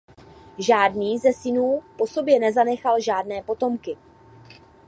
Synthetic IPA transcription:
ʒaːdniːzɛsɪnuːpo̞so̞bjɛnɛzanɛxalʒaːdnɛːpo̞t̪o̞mkɪ

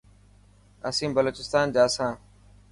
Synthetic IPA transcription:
əsĩːbəloːt͡ʃɪst̪aːnd͡ʒaːsãː

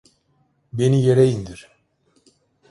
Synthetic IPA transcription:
benijeɾejind̪iɾ̥

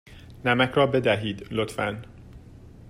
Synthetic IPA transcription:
nɛmɛkrɒbed̪ɛɦiːd̪lot̪fɛ̰n

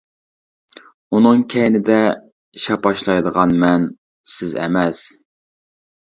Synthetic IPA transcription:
unɨŋkʲʰɛjnɪd̪ɛ | ʃɑpɑʃlˠɑjd̪əʁɑnmɛn | sɪzɛ̰mɛs

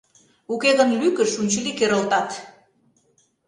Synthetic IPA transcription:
ukeɣənlykəʃunt͡ɕəlikeɾə̆lt̪ɑt̪

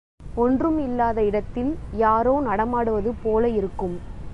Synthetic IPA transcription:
ɔndrɯmɪlːaːðɐɪɽɐt̪ːɪljaːɾoːnɐɽɐmaːɽɯʋɐðɯpoːlɐɪɾɯkːɯm

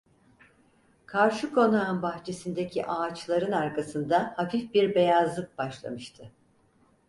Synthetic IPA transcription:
kʰaɾʃɯkʰo̞nanbaxt͡ʃʰe̞sind̪ecʰiʔaːt͡ʃlˠaɾɯnaɾkʰasɯnd̪ahafifbiɾbe̞jazlˠɯk̚baʃlˠa̰mɯʃt̪ʰɯ

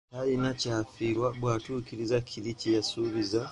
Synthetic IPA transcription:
ajinacaːfiɾwabwatukiɾizakʰilicijasuβiza

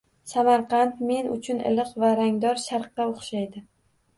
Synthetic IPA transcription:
samaɾqɑnt̪me̞nʊ̰t͡ʃʰʊnɪ̰lˠɨqvaɾaŋd̪ɒɾʃaɾqːɑoχʃajd̪ɪ

